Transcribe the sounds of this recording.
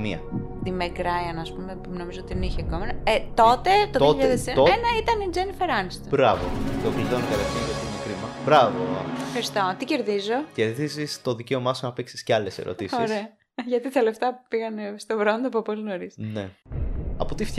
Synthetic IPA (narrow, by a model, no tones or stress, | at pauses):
niɐ̰ | t̪imekɾɐjɐnɐspumepno̞mizoot̪iniçekomenɐet̪o̞t̪et̪oðjoçʎɐððesoenɐit̪ɐnid͡zenifeɾɐnst̪bɾɐvo̰t̪okliðonekɐlest̪ijɐt̪imukɾimɐbɾɐvoefxɐɾist̪o̞t̪ice̞ɾðizo̞ce̞ɾðizist̪o̞ðice̞omɐsonɐpeksi̥sceɐlese̞̰ɾo̞̰t̪isoisɾe̞ɐ | ʝɐt̪it̪ɐle̞ft̪ɐpiɣɐnest̪obɾond̪opuɐpolino̞ɾisne | ɐpot̪ift̪